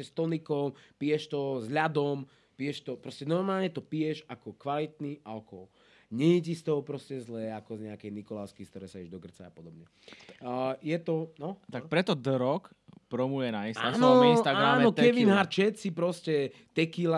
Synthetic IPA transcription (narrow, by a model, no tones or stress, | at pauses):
ɛst̪ɔnikɔmpijɛʃt̪ɔzʎad̪ɔm | pijɛʃt̪ɔpɾɔscɛnɔɾmaːlɲɛt̪ɔpijɛʃakɔkʋalit̪niʔalkɔ̰w | ɲɛɲɛcist̪ɔɦɔpɾɔscɛzlɛːakɔzɲɛakɛjnikɔlaʊskiskt̪ɔɾɛːsaɛʒd̪ɔɡr̩t͡saa̰pɔd̪ɔbɲɛ | jɛt̪ɔnɔt̪ak̚pɾɛt̪ɔd̪ɾɔk | pɾɔmujɛnainstaanɔinst̪aɡɾamnɔk̪ɛʋinɦaɾt͡ʃɛt̪sipɾɔscɛ | t̪ɛkila